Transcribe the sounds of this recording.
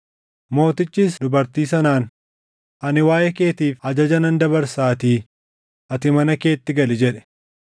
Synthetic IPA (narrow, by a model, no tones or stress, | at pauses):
mo̞ːt̪ɪt͡ʃːiːsd̪ʊbɐɾt̪iːs̬ɐnaːn | ʔɐnɪwaːjɛke̞ːt̪iːfhɐd͡ʒɐd͡ʒɐnɐnd̪ɐbɐɾsaːt̪iː | ʔɐt̪ɪmɐnɐke̞ːt̪ːɪɡɐlɪd͡ʒɛᶑɛ̥